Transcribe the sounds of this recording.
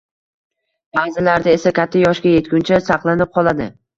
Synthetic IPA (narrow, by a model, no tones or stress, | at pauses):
b̥azɪlaɾd̪ae̞sakʲʰat̪ʰːajɒʃɡʲaje̞t̪ɡʲʊnt͡ʃʰasɑqlˠanɪp̚qʰɒlˠad̪ɪ